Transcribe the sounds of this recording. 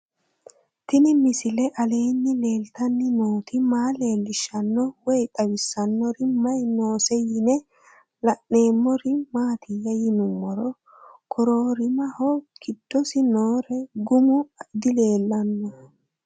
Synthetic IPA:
t̪ɪnɪmɪsɪlɛʔɐle̞ːnːɪle̞ːlt̪ɐnːɪnoːt̪ɪmaːle̞ːlːɪʃːɐnːɔwɔjt̪ʼɐwɪsːɐnːɔɾɪmɐjno̞ːsɛjɪnɛ | lɐʔe̞ːmːɔɾɪmaːt̪ʰɪjɐjɪnʊmːɔɾɔ | kʰɔɾoːɾɪmɐhɔɡɪd̪̥ːɔsɪnoːɾɛɡʊmʊd̪ɪle̞ːlːɐnːɔ

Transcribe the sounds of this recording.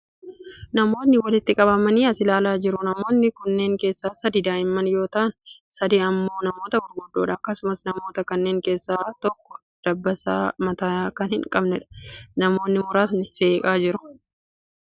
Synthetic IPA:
nɐmo̞ːt̪nːɪwɐlɪt̪ːɪkʼɐbɐmɐniːɐsɪlaːlaːd͡ʒɪɾʊnɐmo̞ːt̪nɪkʊnːe̞ːŋke̞ːsːaːsɐd̪iːd̪aːɪmːɐnjo̞ːt̪ɐʔɐnsɐd̪iːɐmːo̞ːnɐmo̞ːt̪ɐɡɔɾɡʊdːoːᶑɐːkːɐsʊmɐsnɐmo̞ːt̪ɐkɐnːe̞ːŋke̞ːsːaːt̪ɔkːɔ̥ | d̪̥ɐbːɐsa̰ːmɐt̪aːkɐnhɪŋkʼɐbnɛᶑɐ̥nɐmo̞ːnːɪmʊɾaːs̬nɪse̞ːkʼaːd͡ʒɪɾʊ̥

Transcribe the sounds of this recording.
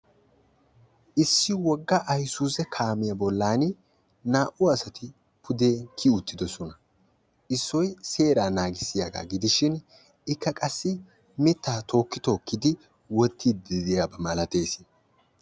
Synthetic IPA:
ʔɪsːɪwɔɡːɐʔɐjsuːzɛkʰaːmɪjɐbɔlːaːn | naːʔʊɐsɐt̪ɪ | pʰʊd̪e̞ːkʰɪʊt̪ːɪd̪ɔsɔnɐ | ʔɪsːɔjse̞ːɾaːnaːɡɪsːɪjaɡa̰ːɡɪd̪ɪʃɪn | ɪkːɐkʼɐsːɪ | mɪt̪ːaːt̪ʰo̞ːkːɪt̪o̞ːkːɪd̪ɪ | wɔt̪ʰːiːd̪ɪd̪ɪjaːbɐmɐlɐt̪e̞ːsɪ

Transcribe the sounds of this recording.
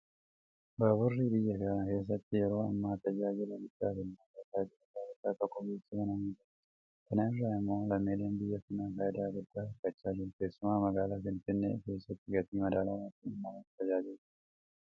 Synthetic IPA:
baːbʊrːiːbɪjːɐkɐke̞ːs̬ːɐt̪ːɪjɛɾo̞ːɐ̰mːaːt̪ɐd͡ʒaːd͡ʒɪlɐɡɪt̪ːaːfɪnːɐkɐt̪aːd͡ʒɪɾɐtaːd͡ʒɪt̪ːaːt̪ɔkːɔɡeːsːɐkɐnɐmit̪ɐ | kɐnɐɪrːaːɪmːo̞ːlɐmːeːleːnbɪjːɐfɪnaːkɐjɪd̪aːd͡ʒɪɾt̪aːɐɾkɐt͡ʃːaːd͡ʒɪɾʊke̞ːsːʊmaːmɐɡaːlaːfɪnfɪnːḛːke̞ːsːɐt̪ːɪɡɐt̪iːmɐd̪aːlawaːt̪ːɪnɐmːawɐnt̪ɐd͡ʒaːd͡ʒɪl

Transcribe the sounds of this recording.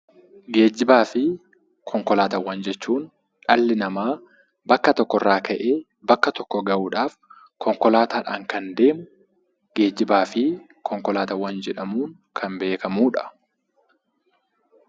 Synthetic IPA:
ɡe̞ːd͡ʒːɪbaːfɪ | kʰɔŋkɔlaːt̪ɐwːɐnd͡ʒɛt͡ʃːuːn | ᶑɐlːɪnɐmaː | bɐkːɐt̪ɔkːɔrːaːkʰɐʔeː | bɐkːɐt̪ɔkːɔɡɐʔuːᶑaːf | kʰɔŋkɔlaːt̪aːᶑa̰ːŋkɐnd̪e̞ːmʊ | ɡe̞ːd͡ʒːɪbaːfɪ | kʰɔŋkɔlaːt̪ɐwːɐnd͡ʒɛᶑɐmuːŋ | kʰɐmbe̞ːkɐmuːᶑɐ̥

